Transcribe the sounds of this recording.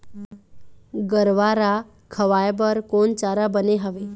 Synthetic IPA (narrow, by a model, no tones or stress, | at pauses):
ɡəɾʋaɾa | kʰəʋajbəɾkont͡ɕaɾabəneɦəʋe